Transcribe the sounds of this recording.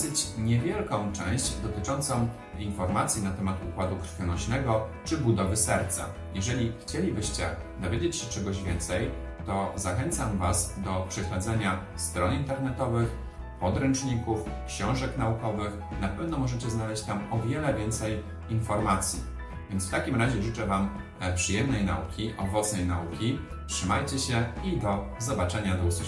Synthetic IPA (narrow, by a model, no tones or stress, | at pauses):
sɘt͡ɕɲɛvʲjɛlkɔ̃w̃t͡ʂɛ̃w̃ɕd͡ʑd̪ɔt̪ɘt͡ʂɔnt̪sɔ̃w̃ | infɔɾmat̪sʲjinat̪ɛmat̪ukwad̪ukɾ̥fʲjɔnɔɕnɛɡɔt͡ʂɘbud̪ɔvɘsɛɾt̪sa̰ | jɛʐɛlʲixt͡ɕelʲibɘɕt͡ɕɛ | d̪ɔvʲjed͡ʑet͡ɕɕɛt͡ʂɛɡɔʑvʲjɛnt̪sɛj | t̪ɔzaxɛnt̪samvasd̪ɔpʂɛɕlɛd̪zɛɲa | st̪ɾɔnint̪ɛɾnɛt̪ɔvɘx | pɔd̪ɾɛnt͡ʂɲikufkɕɔ̃w̃ʐɛkn̪aukɔvɘx | napɛvnɔmɔʐɛt͡ɕɛznalɛɕt͡ɕt̪amɔvʲjɛlɛvʲjɛnt̪sɛj | infɔɾmat̪sʲjḭ | vʲjɛnt̪sft̪akʲimɾaʑɛʐɘt͡ʂɛvam | pʂɘjɛmnɛjna̰ukʲiʔɔvɔt̪snɛjnaukʲi | tʂɘmajt͡ɕɛɕɛid̪ɔzɔbat͡ʂɛɲad̪ɔusu